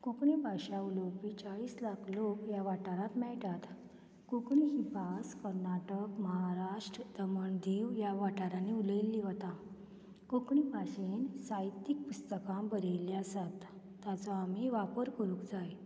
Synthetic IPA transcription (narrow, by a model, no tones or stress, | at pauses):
kokɳipaɕauləwpit͡ɕaɭiːslakʰlokjaʋaʈaɾãt̪mɛɭʈat̪ | kokɳiɦipaskəɾnaʈəkməɦaɾaʂʈɾəd̪əməɳd̪iʋjaʋaʈaɾaneuləjlːiʋət̪a | kokɳipasensajt̪ik̚pust̪əkãmbəɾeliasat̪ː | jat͡sɔamiʋapəɾkəɾũkd͡zaj